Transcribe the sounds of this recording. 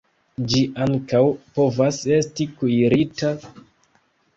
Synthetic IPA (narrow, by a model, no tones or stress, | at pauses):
d͡ʒiʔaŋkawpo̞vase̞stikujɾita